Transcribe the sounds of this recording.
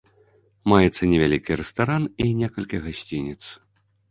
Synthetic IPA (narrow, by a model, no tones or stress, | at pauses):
majɛt̪sːɐnʲɛvʲalʲikʲiɾɛst̪aɾaninʲɛkɐlʲkʲiɣasʲt͡sʲinʲit̪s